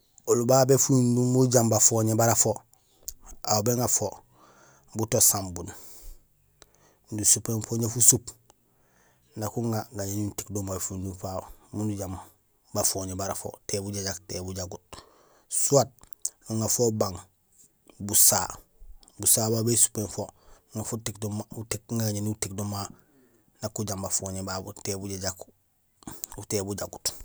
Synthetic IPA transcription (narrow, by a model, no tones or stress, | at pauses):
olubabefuindumuɟambafoɲebaɾafo | aobeŋɡafo | butosãmbun | ndusupemfoɲefusup | nakuŋaŋɡaɲaɲunti̥kdombafundufamunuɟam | bafoɲebaɾafo̰tebuɟaɟaktebuɟaɡut̚ | suat̚uŋɡafobaŋ | busa | busaːbabesu̥penfo | ŋafutikdumautikŋɡaɡaɲiniutikdoma | nakuɟambafoɲebabutebuɟaɟak | utebuɟaɡut